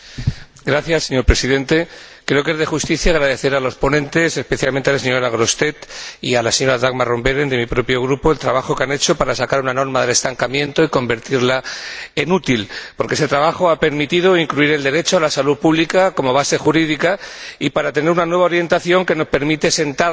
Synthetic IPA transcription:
ɡɾaθjasːe̞ɲo̞ɾpɾe̞siðe̞nt̪e̞ | kɾe̞o̞ke̞zð̞e̞xust̪iθjaɣɾaðe̞θe̞ɾalo̞spo̞nẽ̞nt̪e̞se̞speθjalment̪ealseɲo̞ɾaɣɾo̞st̪e̞t̪ialaseɲo̞ɾaðaɣmaro̞mbeɾend̪e̞mipɾo̞pjo̞ɣ̞ɾupo̞elt̪ɾaβ̞axo̞keane̞t͡ʃo̞paɾasakaɾunano̞ɾmaðe̞le̞st̪aŋkamjẽ̞nt̪o̞iko̞mbe̞ɾt̪iɾlae̞nut̪ilpoɾkeeset̪ɾaβ̞axo̞ape̞ɾmit̪ið̞o̞iŋkluiɾe̞ld̪e̞ɾe̞t͡ʃoalasaluðpuβlikako̞mo̞β̞ase̞xuɾiðikaipaɾat̪e̞ne̞ɾunanwe̞βao̞ɾje̞nt̪aθjo̞ŋke̞no̞spe̞ɾmit̪e̞se̞nt̪a

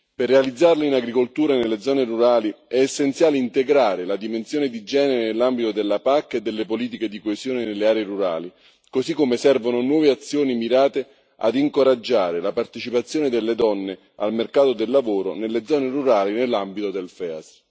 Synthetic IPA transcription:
perːealid̪zːarleinaɡɾikolt̪uːɾanelːed̪zɔːneruɾaːliɛːsːent̪sjaːleint̪eɡɾaːɾelad̪imensjoːned̪id͡ʒɛːneɾenelːambit̪od̪elːapakːed̪ːelːepoliːt̪̬iked̪ikoesjoːnenelːeaːɾeeɾuɾa̰ːli | kosikːomesɛrvononwɔːveat̪sːjoːnimiɾaːt̪e | a̰d̪iŋkoɾad͡ʒːaːɾelapart̪et͡ʃipat̪sːjoːned̪elːed̪ɔnːe | a̰lmerkaːt̪od̪elːavoːɾo̰nelːed̪zːɔːneruɾaːlinelːambit̪od̪elfɛa̰s

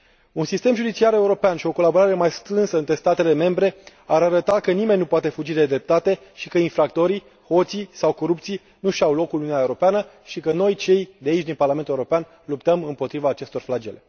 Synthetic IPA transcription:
unsist̪e̞mʒud̪it͡ʃiaɾe̞uɾo̞peanʃio̞ko̞labo̞ɾaɾe̞majst̪ɾɨnsəɨnt̪ɾe̞st̪at̪e̞le̞me̞mbɾe̞ | aɾaɾət̪akənime̞nʲːnupoat̪e̞fud͡ʒid̪e̞d̪ɾe̞p̚t̪at̪e̞ | ʃikəinfɾak̚t̪o̞ɾi | ho̞t̪sijsawko̞ɾupt̪sij | nuʃawlo̞kulununʲaeuɾo̞peanə | ʃikəno̞jt͡ʃe̞jd̪eait͡ʃʲd̪inparlame̞nt̪ueuɾopean | lupt̪əmɨmpo̞t̪ɾivaːt͡ʃe̞st̪o̞rflad͡ʒe̞le̞

